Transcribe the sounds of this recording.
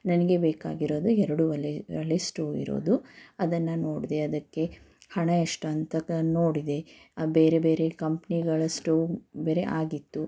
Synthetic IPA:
nɐnɐɡe̞beːkaːɡiɾo̞ːd̪uɛɾɐɽuʋɐleʋɐ̰lesʈoːḭɾo̰ːd̪uɐd̪ɐnːɐno̞ːɽid̪eɐd̪ɐkːe̞ | hɐɳɐɐʂʈɐɐnt̪ɐnoːɽid̪e̞beːɾebeːɾe̞kɐmpniɡɐɭɐsʈoːbeːɾe̞̰ʔaːɡit̪ːu

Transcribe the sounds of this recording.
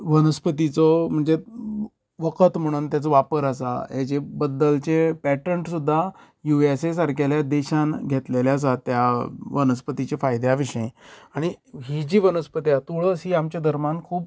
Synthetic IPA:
ʋənəspət̪it͡sɔm̤əɳd͡ze | ʋəkət̪m̤əɽ̃uːnt̪jat͡səʋapəɾəsa̰ɦjat͡ɕebəd̪ːəlt͡ɕepæʈəɳʈsud̪ʱːa | juesesaɾkaljad̪eɕãnɡʱet̪leljas̬at̪ːjaʋənəspət̪it͡ɕefajd̪jaʋiʂəẽaɽ̃iɦid͡ʑiːʋənəspət̪iat̪uɭəsɦiːamt͡ɕad̪ʱəɾmankʰuːp̚

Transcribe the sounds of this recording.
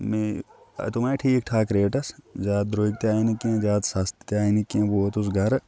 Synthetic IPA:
mḛ | t̪omẽʈʰiːkʈʰaːkɾeːʈɐszaːt̪̚d̪ɾoːikt̪jaːinikiẽzaːt̪saːst̪t̪aːinikẽboːt̪ʊs̬ɡʱɐɾ

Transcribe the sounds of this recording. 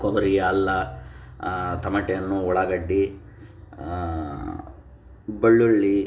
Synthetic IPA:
komɐɾijɐːlːɐ | t̪ɐmɐʈejɐnːuɔɭɐɡɐɖːi | bɐɭːuɭːi

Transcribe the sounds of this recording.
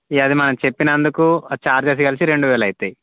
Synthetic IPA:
iɐd̪imɐnɐmt͡ʃe̞pːinɐnd̪ukut͡ʃaːɾd͡ʒeːs̬ɐɡɐlisiɾe̞ɳɖuʋɛːlɐjit̪ei

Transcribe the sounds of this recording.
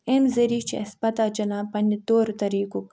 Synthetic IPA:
emzɐɾit͡ʃḭɐspɐt̪aːd͡ʒɐnaːpɐnit̪oːɾt̪ɐɾiːkuk

